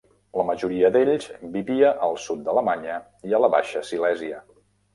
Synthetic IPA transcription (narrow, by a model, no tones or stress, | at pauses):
ləməʒuɾiəd̪eʎz̥biβiəʔəlˠsut̪̚d̪ələmaɲə | iələβa̰ʃəsilɛziə